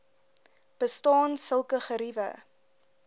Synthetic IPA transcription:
b̥əstɑːnsəlˠkəχəɾivə̰

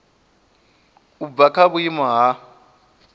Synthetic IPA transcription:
ubvakʰaβuimɔɦa

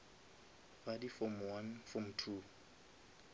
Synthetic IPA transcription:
badifɔmwanfɔmtʰu

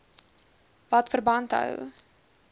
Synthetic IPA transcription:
vɐtfərbɐntɦə̰w

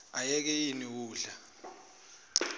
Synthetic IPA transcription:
ajɛk̬ɛjiniwuːɮa

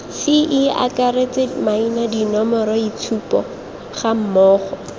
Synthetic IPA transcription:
sɪʔɪa̰karet͡sɪmainadinɔmɔɾɔit͡sʰupɔ | χam̩mɔːχɔ

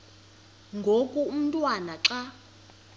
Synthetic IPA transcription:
ŋɡʱokʼuum̩tʼwanaǁa

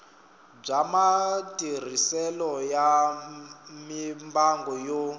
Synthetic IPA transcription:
b͡ʐamatʼir̤isɛlɔja | mimbaŋɡɔjo

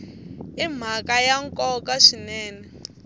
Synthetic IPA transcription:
im̤akajaŋkʼɔkaʂinɛːnɛ

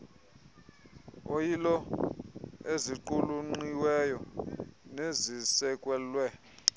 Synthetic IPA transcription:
ojilɔ | eziǃuluŋ͡ǀiwɛjɔ | nezisɛkʼwɛlwɛ

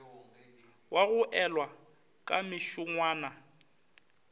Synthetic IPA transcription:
wʔaɣʊʔɛlwa | kʼa̰mɪʃʊŋwaːna

